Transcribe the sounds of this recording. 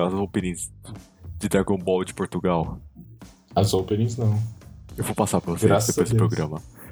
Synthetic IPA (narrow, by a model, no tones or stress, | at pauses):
ɐzowpenĩs | d͡ʒɪd̪ɾaɡõbɔwd͡ʒɪpoɾt̪uɡaw | azowpeɾĩznɐ̃w̃ewvowpasapɾɐvoseɾad̪epojzd̪pɾoɡɾɐ̃mɐ